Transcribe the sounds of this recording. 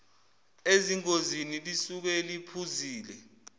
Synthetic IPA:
eziŋk̬ʼozinilisuk̬ɛlipʰuziːlɛ

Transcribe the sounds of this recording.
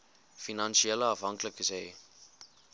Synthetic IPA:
finɐnʃieləɐfɦɐŋkləkəsɛj

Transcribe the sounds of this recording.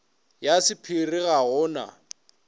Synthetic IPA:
jasɪpʰirɪɣaɣʊːna̰

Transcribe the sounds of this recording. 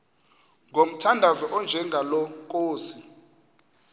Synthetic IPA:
ŋɡʱom̩tʰandʱavɛʔɔnd͡ʒʱɛŋɡʱalɔkʼoːsi

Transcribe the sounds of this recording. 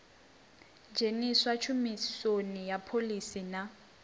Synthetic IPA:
d͡ʒʱeniswat͡ʃʰumisonijapʰolisina

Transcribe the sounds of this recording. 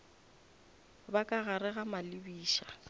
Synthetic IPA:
bakʼaɣaɾɪɣamalɪbiːʃa

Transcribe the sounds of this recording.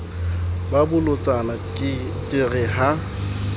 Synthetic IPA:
babʊlʊt͡sʼana | kʼɪrɪɦa

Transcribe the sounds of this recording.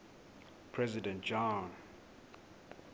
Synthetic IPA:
pʰɹɛzidɛ̃ntd͡ʒɔ̃n

